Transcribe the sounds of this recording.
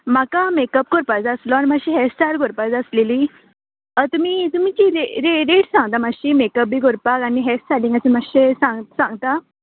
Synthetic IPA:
makamekəp̚ɡʱoɾpad͡zəslɔanimaɕiɦɛsʈaɾɡʱoɾpad͡zəslili | ət̪um̤iːt̪um̤it͡ɕiɾeɾeɾeʈsãŋɡt̪amaɕimekəp̚bʱiːɡoɾpakaniɦɛsʈaɾlĩŋɡat͡ɕimaɕesãŋɡsãŋɡt̪a

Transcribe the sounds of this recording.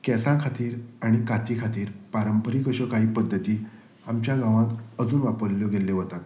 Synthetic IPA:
kɛsãkʰat̪iːɾaɽ̃ikat̪iːkʰat̪iːɾpaɾəmpəɾikəɕəkaɦiːpəd̪ʱːət̪iː | amt͡ɕjaɡãʋãt̪əd͡zuːnʋapəɾljɔɡeleʋət̪at̪

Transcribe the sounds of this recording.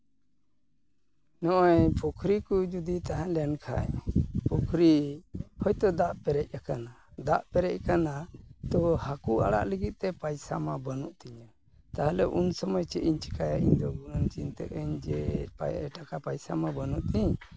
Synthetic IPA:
nɔʔɔjpʰukʰɾikud͡ʒud̪it̪aɦãʔlɛjankʰa̰jpukʰɾihɔjt̪ɔd̪aʔpɛɾɛc̚jakanad̪aʔpɛɾɛc̚kanat̪ɔhakua̰ɽa̰ʔlɛɡit̪̚t̪ɛpajsamabənuʔt̪iɲa | t̪aɦalɛʔunsɔmɔjt͡ʃɛʔiɲt͡ʃi̥kajaʔḭɲd̪ɔɡunant͡ʃint̪ɛ̰əɲd͡ʒɛɛ̰ʈakapajsamabənuʔt̪iɲ

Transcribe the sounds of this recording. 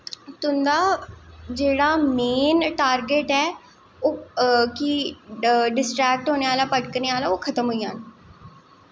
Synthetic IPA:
t̪ʊnd̪aːd͡ʒeːɽaːmeːnʈaːɾɡeːʈɛː | oːkɪ | ɖɪsʈɾɛːk̚ʈɦoːneːaːlaːpəʈkəɾneːaːlaːoːkʰət̪əmɦoiːaːn

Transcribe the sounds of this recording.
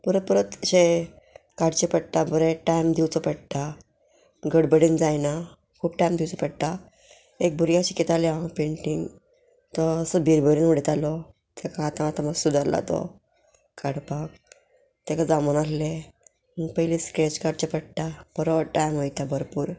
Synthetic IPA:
pəɾət̪̚pəɾət̪ɕe | kaɽt͡ɕepəɽʈ̪abəɾeʈajmd̪iwt͡sɔpəɽʈ̪a | ɡəɽbəɽind͡zajna | kʰuːp̚ʈajmd̪iwt͡sɔpəɽt̪a | ek̚bʱuɾjãɕikːet̪aleãpeɳʈiŋɡ | t̪ɔːsəbʱiɾbəɾinʋəɽet̪alɔ | t̪akaːt̪ãat̪aməɡsud̪əɾla̰t̪ɔ̰ | kaɽpak | t̪ɛkad͡zamənalle | məɡpəɦiliskɾet͡ɕkaɽt͡ɕepəɽʈ̪ab̥əɾɔʋəʈajmɦojt̪abʱəɾpuːɾ

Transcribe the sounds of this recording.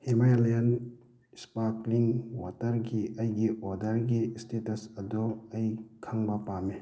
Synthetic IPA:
hemajalajɐn | spakliŋwatɐɾɡiɐjɡiɔdɐɾɡistetɐsɐdɔɐjkʰaŋbɐpame

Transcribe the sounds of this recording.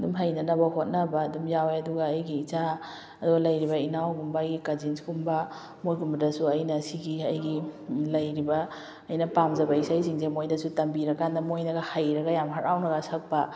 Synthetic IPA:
dumɦajnɐnɐbɐhot̚nɐbaːdumjaweɐduɡaːjɡiːt͡ʃa | ɐduɡalɐjɾibɐinawɡumbaːjɡikazinsɡumba | mojɡumbɐdɐsuɐjnɐsiɡiɐjɡilɐjɾibɐː | jnɐpamzɐbɐisajsiŋzemojdɐsutɐmbiɾɐkanɐmojnɐɡahajɾɐɡajamɦaɾawnɐɡasɐk̚pɐ

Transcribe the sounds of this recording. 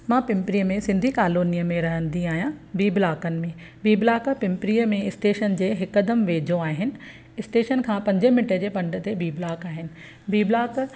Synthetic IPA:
mãːpɪ̃mpɾijəmẽsɪ̃nd̪ʱikaːloːnijəmẽɾɐɦə̃nd̪iaːɦijãbiːblaːkənɪ̆mẽ | biːblaːkpɪ̃mpɾijəmẽɪsʈeːʃənd͡ʑeːɦɪkəd̪əmʋeːd͡ʑõaːɦɪnɪ̆ | ɪsʈeːʃənkʰãːpɐ̃ɲd͡ʑəmɪʈəd͡ʑeːpɐ̃ɳɖət̪ebiːblaːkaːɦɪnɪ̆ | biːblaːk

